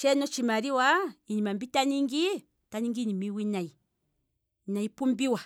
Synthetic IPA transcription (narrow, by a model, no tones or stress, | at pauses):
t͡ʃɛnɔt͡ʃimaɾiwaiɲimambitaniŋɡi | taɲiŋɡiɲimiwinai | naipumbiwa